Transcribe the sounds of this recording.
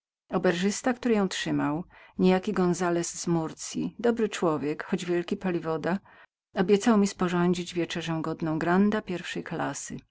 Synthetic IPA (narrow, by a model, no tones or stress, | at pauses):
ɔbɛɾʐɘst̪akt̪uɾɘjɔ̃w̃tʂɘmawɲejakʲiɡɔ̃nzalɛszmuɾt̪sʲjḭd̪ɔbɾɘt͡ʂwɔvʲjɛkxɔd͡ʑvʲjɛlkʲipalʲivɔd̪a | ɔbʲjɛt̪sawmʲispɔʐɔɲd͡ʑid͡ʑvʲjɛt͡ʂɛʐɛw̃ɡɔd̪nɔ̃w̃ɡɾand̪apʲjɛɾfʂɛjklasɘ̰